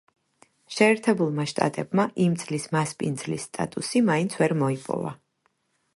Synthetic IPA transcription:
ʃɛːɾt̪ʰɛbulˠmaʃt̪ʼa̰t̪ʼɛbmaʔimt̪sʼlismaspʼind̪zlisːt̪ʼa̰t̪ʼusimaint̪sʰvɛɾmɔipʼɔ̰va̰

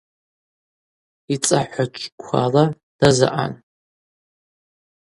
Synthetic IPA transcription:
it͡sʼaħʷat͡ʃʲʰʼkʷʰa̰la | d̥aza̰ʔa̰n

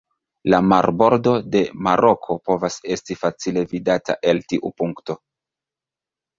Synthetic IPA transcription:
lamaɾbo̞ɾdo̞de̞maɾo̞kʰo̞po̞vase̞stifat͡sile̞vidata̰ʔe̞ltiʔupuŋkto̞

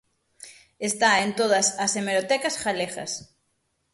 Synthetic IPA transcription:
est̪aent̪oð̞ɐsɐsemeɾot̪ɛkasxaleɣɐ̰s

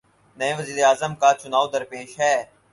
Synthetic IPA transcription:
nəẽːʋəziːɾeaːzəmkaːt͡ʃʊnaːud̪əɾpeːʃɦɛː

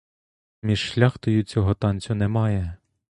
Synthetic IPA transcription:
mʲiʃʃlʲaxt̪ɔjut͡sʲɔɦɔt̪ɑnʲt͡sʲʊnɛmɑjɛ

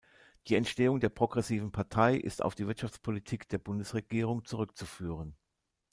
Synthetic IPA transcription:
d̥iːɛntʃteːʊŋdeːɐpʁ̥oɡʁɛsiːvn̩pʰaɐtʰaɪʔɪ̰sta̰ʊfd̥iːvɪɐtʃaft͡spʰolitʰiːkd̥eːɐbʊndəsʁeɡ̥iːʁ̞ʊŋt͡suʁʏk̚t͡sufyːʁ̞ən

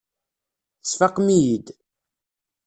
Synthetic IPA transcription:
θəsfɑqːmijid̪

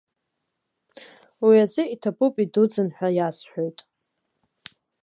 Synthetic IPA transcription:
wiazɨitʰapupʼidud͡zɨnħʷᶣajasħʷᶣo̞jtʼ

